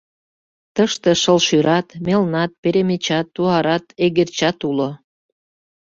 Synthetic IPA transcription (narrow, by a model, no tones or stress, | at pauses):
t̪əʃt̪eʃəlʃyɾɑt̪melnɑt̪̚peɾemet͡ɕɑt̪ːuɑɾɑt̪eɣert͡ɕɑt̪ulo